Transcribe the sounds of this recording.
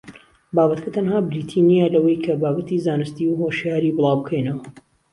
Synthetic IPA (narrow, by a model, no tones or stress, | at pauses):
baːbɐt̪kʰɐt̪ʰɐnhaːbɾiːt̪ʰinialɐwɐjkʰɐbaːbɐt̪ʰizaːnɨst̪iwɦoʃjaːɾiːbɨlˠɑːwbɨkʰɐjnɐwɐ